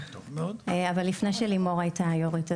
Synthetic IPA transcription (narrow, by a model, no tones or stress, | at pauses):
omeodavalːifnejʃelimo̞ʁajtajoʁita